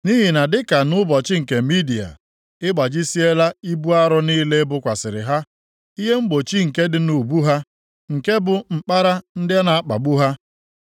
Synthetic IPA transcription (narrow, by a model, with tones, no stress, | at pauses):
ni˦ɦi˨na˨dɪ˦ka˨nʊ˦bɔ˨t͡ʃɪ˦ŋ̩˨ke˨mi˦di˨a̰˨ | ɪ˦ɡ͡ba˨d͡ʒi˦si˦e˦la˦i˦bu˦a˦ɾʊ˦niː˦le˦bʊ˦kʷa˨sɪ˨ɾɪ̰˨ɦa˦ | i˦ɦe˦ŋ͡m̩˦ɡ͡bo˨t͡ʃi˦ŋ̩˨ke˦dɪ˨nu˨bu˦ɦa˦ | ŋ̩˨ke˦bʊ˨ŋ͡m̩˨k͡pa˦ɾa˦n̩˦dɪ˦a˦na˨a˦k͡pa̰˨ɡ͡bu˦ɦa˦